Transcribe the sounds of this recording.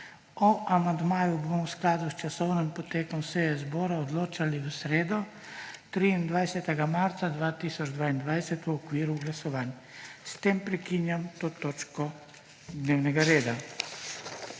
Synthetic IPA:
ɔʔamand̪maːjubomɔwsklaːd̪ust͡ʃasɔwnimpɔt̪eːkɔmsejɛzbɔːɾaɔd̪loːt͡ʃaliusɾeːd̪ɔ | t̪ɾiːnd̪ʋajsɛt̪ɛɡamaɾt̪sad̪ʋaːt̪iːsɔd͡ʒd̪ʋaːind̪ʋajsɛt̪ɔkʋiːɾuɡlasɔʋaːn | st̪eːmpɾɛkiːnjamt̪oːt̪oːt͡ʃkɔ | d̪neːwnɛɡaɾeːd̪a

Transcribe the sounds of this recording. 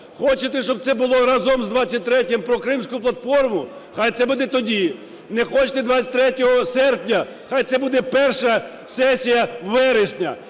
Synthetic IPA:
xɔt͡ʃet̪ɛʃt͡ʃɔb̚t̪sɛbʊlˠɔɾɑzɔmzd̪ʋat͡sʲːɐt̚ʲt̪ɾɛtʲɪmpɾɔkɾɪmsʲkʊplˠɐt̪fɔrmʊ | xajt̪sɛbud̪ɛt̪ɔdʲi | nɛxɔt͡ʃɪ̥t̪ɛd̪ʋat͡sʲːɐtʲt̪ɾɛtʲɔɦɔsɛrpnʲɐ | xajt̪sɛbud̪ɛpɛrʃɐ | sɛsʲijɐʋɪɾɪsʲnʲɐ̰

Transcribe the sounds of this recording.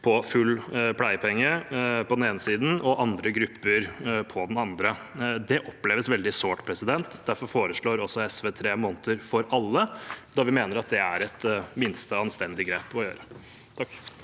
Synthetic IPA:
pʰɔfʉlːpʰlæɪpʰɛŋːəpʰɔd̪n̩eːnəsiːd̪n̩ɔʔɑnd̪ɾəɡɾʉpːəɾpʰɔd̪ɛnɑnd̪ɾəd̪ɛʔɔplɛːʋəsʋɛld̪ɪsoːʈpʰɾɛsɪd̪ɛnt̪d̪æɾfɔɾfoːɾəʂɭoːɾɔsːɔɛsʋeːt̪ʰɾeːmɔːnət̪əɾfɔɾɑlːəd̪ɑɾʋɪmeːnəɾɑt̪̚d̪ɛæɾɛt̪mɪnst̪əɑnst̪ɛnd̪ɪɡɾeːpɔjøːɾə | t̪ʰɑk

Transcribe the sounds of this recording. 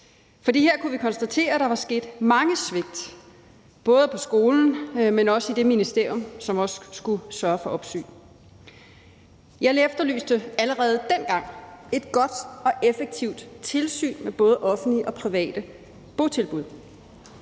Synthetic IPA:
fɒ̽dḭːheɐ̰kʰuʋikʰɒ̽nsd̥æt͡sʰe̝̰ːɐd̥ɑ̈ʋɑ̈sɡ̥e̝̰ːd̥mɑ̈ŋəsʋe̝ɡ̥̚d̥ | b̥ɔ̽ːð̞ˠpʰɒ̽sɡ̥o̝ːln̩menɒ̽səid̥e̝minisd̥e̝ɐ̰jɔ̽msɒ̽mɒ̽ssɡ̥usɶɐfɒ̽ʔɒ̽b̥sy̰ː | jɑ̈ɪlefd̥ɐly̰ːsd̥əæləʁɛːð̩ˠd̥en̰ɡ̥ɑ̈ŋ̰e̝d̥ɡ̥ɒ̽d̥ɒ̽ʔefeɡ̥̚t͡sʰiʊ̰d̥t͡sʰe̝lsy̰ːnmeb̥ɔ̽ːð̞̩ˠʔɒ̽fn̩liʔɒ̽pʰʁiʋɛ̰ːd̥ə | b̥ot͡sʰe̝lb̥uðˠ

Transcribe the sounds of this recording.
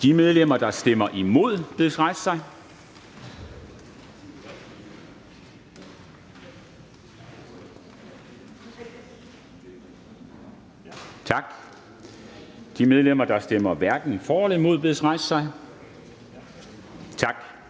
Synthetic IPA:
d̥imeð̞ˠlem̰ɐd̥ɑ̈sd̥emɐʔimo̝ð̞̰ˠb̥e̝sʁɑ̈ɪssɑ̈ɪ | t͡sʰɑ̈ɡ̥ | d̥imeð̞ˠlem̰ɐd̥ɑ̈sd̥emɐʋæɐɡ̥n̩fɒːɒlimo̝ð̞̰ˠb̥e̝ðˠsʁɑ̈ɪssɑ̈ɪ | t͡sʰɑ̈ɡ̥

